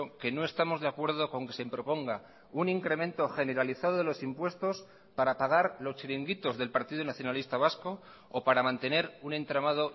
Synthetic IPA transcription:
oke̞no̞e̞st̪amo̞zðe̞akwe̞ɾð̞o̞ko̞ŋke̞sempɾo̞po̞ŋɡa | uniŋkɾe̞mẽ̞nt̪o̞xe̞ne̞ɾaliθaðoðelo̞simpwe̞st̪o̞s | paɾapaɣ̞aɾlost͡ʃiɾiŋɡit̪o̞zðe̞lpaɾt̪iðunaθjonalist̪aβ̞asko̞ː | paɾamãnt̪e̞ne̞ɾunẽ̞nt̪ɾamað̞o̞

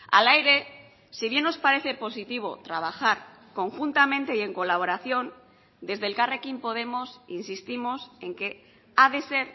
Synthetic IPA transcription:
a̰lajɾe̞ | siβ̞je̞nːo̞spaɾe̞θe̞po̞sit̪iβ̞o̞t̪ɾaβ̞axaɾ | ko̞ŋxunt̪amẽnt̪eie̞ŋko̞laβ̞o̞ɾaθjo̞n | d̪e̞zðelkarekimpo̞ðe̞mo̞sḭnsist̪imo̞se̞ŋke̞ | aðe̞se̞ɾ

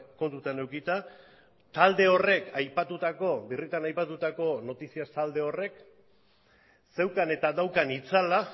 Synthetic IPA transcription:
ko̞nt̪ut̪ane̞wkit̪a | t̪ald̪e̞o̞re̞kajpat̪ut̪ako̞birit̪anajpat̪ut̪ako̞no̞t̪isiast̪ald̪e̞o̞re̞k | se̞wkane̞t̪aðawkanit͡sala

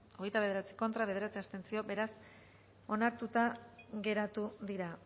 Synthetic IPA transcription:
o̞ɣ̞e̞jt̪aβeeɾat͡si̥ko̞nt̪ɾaβe̞ðe̞ɾat͡siast̪e̞nt͡sio̞be̞ɾas | o̞naɾt̪ut̪aɣe̞ɾat̪uðiɾa

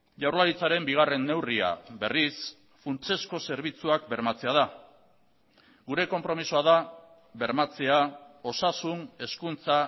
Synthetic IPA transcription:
ʝawɾlaɾit͡saɾe̞mbiɣ̞are̞nːe̞wria̰be̞ris | funt͡ʃe̞sko̞se̞ɾβ̞it͡suakbe̞ɾmat͡se̞aða | ɡuɾe̞ko̞mpɾo̞misuaða | be̞ɾmat͡se̞ao̞sasune̞skunt͡sa

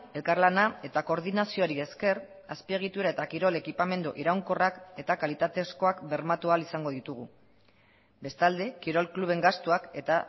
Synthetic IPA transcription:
e̞lkaɾlanae̞t̪ako̞ɾðinasio̞ɾie̞ske̞r | aspie̞ɣit̪uɾae̞t̪akiɾo̞le̞kipame̞nd̪uʔiɾawŋko̞rake̞t̪akalit̪at̪e̞sko̞akbe̞ɾmat̪ualisaŋɡo̞ðit̪uɣu | be̞st̪ald̪e̞kiɾo̞lkluβ̞e̞ŋɡast̪uake̞t̪a

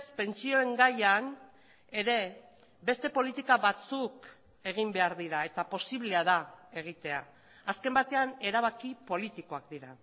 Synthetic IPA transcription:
spe̞nt͡sio̞e̞ŋɡajan | e̞ɾe̞ | be̞st̪e̞po̞lit̪ikaβat͡suk | e̞ɣ̞imbe̞aɾðiɾae̞t̪apo̞siβle̞aðae̞ɣ̞it̪e̞aː | ske̞mbat̪e̞ane̞ɾaβ̞akipo̞lit̪iko̞akd̪iɾa

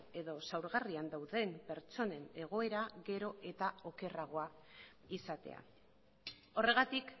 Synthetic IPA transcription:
e̞ðo̞sawɾɣariand̪awðe̞mpe̞ɾt͡so̞ne̞ne̞ɣ̞o̞e̞ɾaɣe̞ɾo̞e̞t̪ao̞ke̞raɣ̞o̞a | isat̪e̞̰a̰ | o̞re̞ɣ̞at̪ik

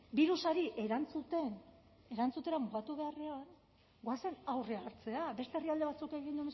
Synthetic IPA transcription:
biɾusaɾiʔe̞ɾant͡sut̪e̞n | e̞ɾant͡sut̪e̞ɾamuɣat̪uβe̞are̞an | ɡoase̞nawre̞aɾt͡se̞abe̞st̪eriald̪e̞βat͡suke̞ɣ̞ind̪um

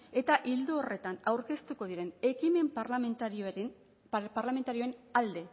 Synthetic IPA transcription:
e̞t̪aʔild̪uore̞t̪anawɾke̞st̪uko̞ðiɾe̞ne̞kime̞mpt̪ɾ | paɾlame̞nt̪aɾio̞e̞nald̪e̞

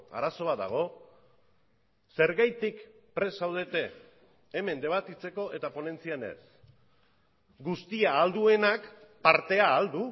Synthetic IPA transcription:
a̰ɾaso̞βad̪a̰ɣ̞o̞ | se̞ɾɣajt̪ikpɾe̞sawð̞e̞t̪e̞ː | me̞nd̪e̞β̞at̪it͡se̞ko̞ʔe̞t̪apo̞ne̞nt͡siane̞̰s | ɡust̪iaːld̪ue̞nakpaɾt̪e̞aːld̪u

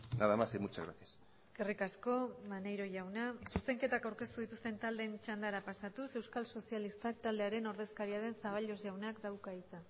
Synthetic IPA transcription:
naðamasemut͡ʃa̰ɣɾa̰sias | ske̞rikasko̞mane̞jɾo̞ʝawnasuse̞ŋke̞t̪akawɾke̞st̪uðit̪ust̪e̞nt̪ald̪e̞nt͡ʃand̪aɾapasat̪use̞wskalso̞sialist̪ak̚t̪ald̪e̞aɾe̞no̞ɾð̞e̞skaɾiaðe̞nsaβaʎo̞zʝawnakd̪awkait͡sa

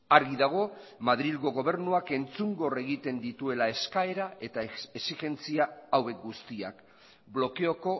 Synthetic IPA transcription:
aɾɣiðaɣ̞o̞maðɾilɣo̞ɣo̞β̞e̞ɾnuake̞nt͡suŋɡo̞re̞ɣit̪e̞nd̪it̪ue̞lae̞skae̞ɾae̞t̪aesixe̞nt͡siaːwe̞k̚ɡust̪ia̰k | blo̞ke̞o̞ko̞

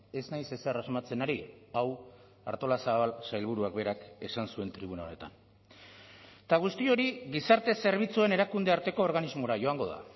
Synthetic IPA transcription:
e̞znajse̞serazmat͡se̞naɾiaw | a̰ɾt̪o̞lasaβalsajlβ̞uɾuakbe̞ɾake̞sansue̞nt̪ɾiβunaone̞t̪a̰n | t̪aɣ̞ust̪io̞ɾiɣisaɾt̪e̞se̞ɾβ̞it͡sue̞ne̞ɾakund̪e̞aɾt̪e̞ko̞ːɾɣanizmo̞ɾaʝo̞aŋɡo̞ða̰

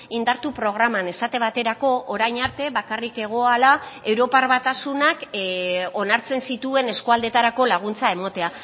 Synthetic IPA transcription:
ind̪aɾt̪upɾo̞ɣ̞ɾamane̞sat̪e̞β̞at̪e̞ɾako̞ʔːɾajɲaɾt̪e̞βakarike̞ɣ̞o̞alae̞wɾo̞parβat̪asunak | o̞naɾt͡se̞nsit̪ue̞ne̞skoald̪e̞t̪aɾako̞laɣ̞unt͡sae̞mo̞t̪e̞a

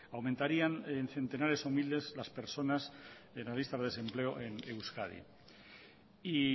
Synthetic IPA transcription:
awmẽnt̪aɾianenθe̞nt̪e̞naɾe̞somild̪e̞zlaspe̞ɾsonas | enlazlist̪azese̞mple̞oʔenewskaðḭ | i

